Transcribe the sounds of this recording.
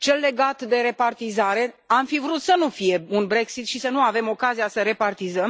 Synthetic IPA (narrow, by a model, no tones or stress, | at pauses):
t͡ʃe̞lːe̞ɡat̪d̪e̞ɾe̞part̪izaɾe̞amfivɾut̪sənufije̞unbɾe̞ksit̪ʃisənuave̞mo̞kazijasəɾe̞part̪izəm